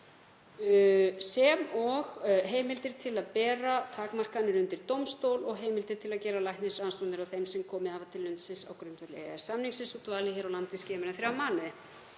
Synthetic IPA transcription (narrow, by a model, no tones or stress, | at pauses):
sɛmɔɣɦeːjmɪlt̪ɪɾ̥t̪ʰɪlaðpɛːɾat̪ʰaːkmar̥kanːɪɾʏnt̪ɪɾ̥t̪owmst̪owlɔɣɦeːjmɪlt̪ɪɾ̥t̪ʰɪlaðcɛːɾalajht̪nɪsɾansɔwnɪɾawθejmsɛmkʰɔːmɪðhavat̪ʰɪlːʏnt̪sɪnsa̰wkɾʏmt̪vɛt̪lɛasamniŋsɪnsɔt̪vaːlɪçɛːɾawlant̪ɪscɛːmɛɾaθɾjawmaːnʏ